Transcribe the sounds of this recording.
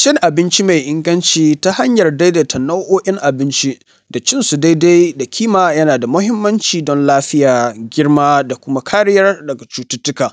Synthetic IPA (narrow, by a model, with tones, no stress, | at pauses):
ʃɪ˦ŋʔa˨bɪ˦nt͡ʃi˦ma˨jʔɪ˦ŋɡɐ˦nt͡ʃiː˦ta˦ha˦ɲjɐ˨rda˦jda˨tʰɐ˨na˦wʔoː˦ʔɪ˦ŋʔa˨bɪ˦nt͡ʃi˦ | da˨t͡ʃɪ˦nsu˨da˦jda˦jda˨kʲʰiː˦maː˨jɐ˦naː˨da˨mʊ˦hɪ˦mːɐ˦nt͡ʃiː˨dɔ˦nlaː˦ɸɪ˦jaː˨ɡʲɪ˦rmaː˦da˨kʷʊ˦ma˦kʰaː˦ɽɪ˦jɐ˦rdɐ˨ɡa˨t͡ʃuː˦tʊ˦tʊ˦kaː˨